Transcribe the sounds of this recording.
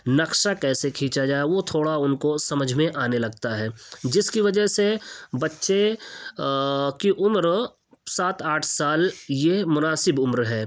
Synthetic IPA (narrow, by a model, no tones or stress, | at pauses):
nɐkʃakɛːsekʰĩːt͡ʃad͡ʒaːeʋot̪ʰoːɽaʊnkosɐməd͡ʒʱmẽʔaːnelɐɡt̪aɦɛːd͡ʒɪskiʋɐd͡ʒəɦsebɐtːʃe | kiʔʊmɾ | saːt̪aːʈʰsaːljemʊnaːsɪbʊmɾɦɛː